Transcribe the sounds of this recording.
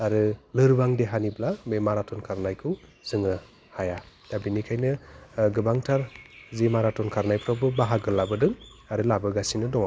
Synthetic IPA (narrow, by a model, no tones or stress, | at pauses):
aɾɯlɯɾbaŋdeɦaniblamemaɾatʰɔnkʰaɾnajkʰɯwz̥ɯŋɯ | haja | d̥abinikʰajnɯɡɯbaŋtʰaɾzimaɾatɔnkʰaɾnajpʰɾabɯbaɦaɡɯlabɯdɯŋaɾɯlabɯɡasinɯdɔŋ